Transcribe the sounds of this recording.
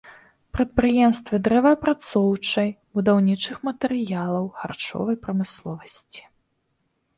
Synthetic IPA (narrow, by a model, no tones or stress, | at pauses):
pɾɐt̪̚pɾɨjɛmst̪vɨd̪ɾɛvɐpɾat̪sɔwt͡ʂɐjbud̪awnʲit͡ʂɨxmɐt̪ɛɾɨjalˠɐwxa̰rt͡ʂɔ̰vɐjpɾɐmɨslˠɔvɐsʲt͡sʲi̥